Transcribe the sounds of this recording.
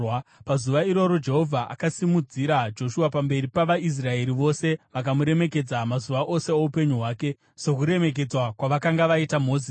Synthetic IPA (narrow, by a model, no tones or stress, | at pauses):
pazuʋaiɾo̞ɾo̞d͡ʒe̞ɦo̞vʱaʔa̰kasimud͡ziɾad͡ʒo̞ʃuwapambe̞ɾipaʋais̬rae̞ɾiʋo̞se̞ʋakamuɾe̞me̞k̬e̞d͡zamazuʋaʔo̞se̞oupe̞ɲuɦwaːke̞ | so̞kuɾe̞me̞k̬e̞d͡zwakwaʋakaŋɡaʋaitamo̞ːzi